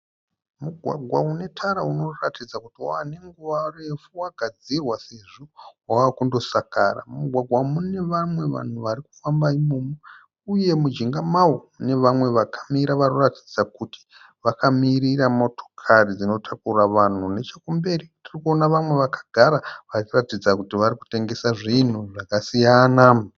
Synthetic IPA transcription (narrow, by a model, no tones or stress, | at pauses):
muɡʱwa̰ɡʱwaune̞tʰaɾauno̞ratʰid͡zakutioane̞ŋɡuʋare̞fuwaɡʱad͡zirwaseʐowawaːkundo̞saka̰ra̰muɡʱwaɡʱwamune̞ʋamwe̞ʋa̰n̤uʋaɾiku̥fambaimoːmo | uje̞mud͡ʒiŋɡamawoune̞ʋamwe̞ʋakʰḁmiɾaʋarorati̥d͡zakuti̥ | ʋakʰamiɾiramo̞tʰo̞̥kʰarid͡zino̞tʰakuraʋan̤une̞t͡ʃakumbe̞ɾitirikuo̞naʋamwe̞ʋakʰḁɡʱaɾaʋarikuratid͡zakutiʋaɾiku̥te̞ŋɡe̞saʐin̤uʐakasijana